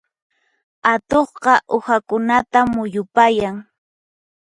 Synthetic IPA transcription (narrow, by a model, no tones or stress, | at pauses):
at̪oχqɑʔʊhakʊnat̪amʊjʊpajaŋ